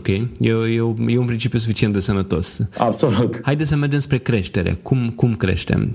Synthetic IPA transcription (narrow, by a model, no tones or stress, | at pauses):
okʲejjewjewjeunpɾint͡ʃipjusufit͡ʃient̪̚d̪esənət̪o̞sa̰bsolut̪hajd̪et̪s̬əmʲed͡ʒinspɾe̞kɾeʃt̪eɾḛkumkumkɾḛʃt̪ḛm